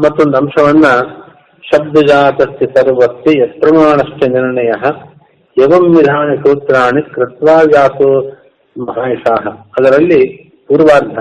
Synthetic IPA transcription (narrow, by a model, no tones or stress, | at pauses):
mɐt̪ːuond̪ɐɐmʂɐʋɐnːɐ | ʃɐb̚d̪ɐd͡ʒaːt̪ɐsjɐsɐɾʋɐsjijɐt̪̚pɾɐmaːɳɐʂʈʰjɐniɾɳɐjɐɦɐ̆ | ɐʋɐmːid̪ʱaːɳɐʃoːt̪ɾaːɳikɾɪt̪ʋaːʋjaːt̪oː | mɐɦaːjɐsaːɦɐɐd̪ɐɾɐlːi | puːɾʋaːɾd̪ʱɐ